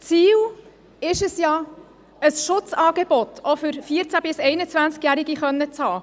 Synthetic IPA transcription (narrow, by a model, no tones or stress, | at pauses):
t͡siːl | ɪʃəsjɑ | əsʃʊt͡sɑːɡeb̥ɔt̪ʰofʏɾfiəɾt͡sæbɪsɛɪnət͡svænt͡skjæɾiɡiχœnːət͡shɑː